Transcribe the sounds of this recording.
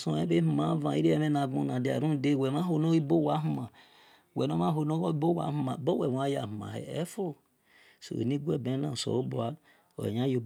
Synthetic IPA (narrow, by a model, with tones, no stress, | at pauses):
sõ˨ɛ˦be˦mu˨ma˨˦vã˨i˦ɾe˦ɛ˦me˦na˨ɡ͡bõ̰˦nã˨di˨a̰˨ɾũ˦˨de˦˨wɛ˨ma˦ɦo˨no˦i˦bo˦˨wa˨˦ɦu˦ma˨ | wɛ˨no˦ma˦ɦo˨no˦i˦bo˦˨wa̰˨˦hu˦ma˨bɔ˦wɛ˨wa˦ja̰˨hu˨ma̰˨hɛ̰˨ɛ̰˦fo˦o˨ | so̰˨ḛ˨ni˦ɡʷɛ˦˨bẽ˨˦lã̰˨so̰˨o˦bo˨a˦ | o̰˨ḛ˨ɲã˦jo˨